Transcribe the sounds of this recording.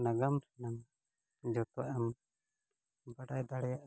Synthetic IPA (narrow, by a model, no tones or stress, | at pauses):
naɡamɾɛnaŋ | d͡ʒɔt̪ɔʔɛm | baɖajd̪aɽɛjaʔ